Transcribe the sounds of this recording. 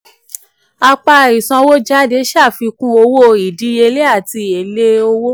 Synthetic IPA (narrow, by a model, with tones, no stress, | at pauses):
a˧k͡pa˧˨ɾi˨sã˧wo˦d͡ʒa˦˨de˧˦ʃa˦˨fi˧kũ˦o˧wo˦i˨di˨˦e˧le˦a˦˨ti˧e˨le˦o˧wo˦